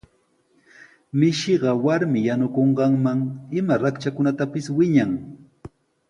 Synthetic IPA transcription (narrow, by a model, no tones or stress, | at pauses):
mɪʃɪɢɑwaɾmɪjanʊkoɴɢɑŋmaŋɪmaɾakt͡ʃakʊnat̪apɪswɪɲaŋ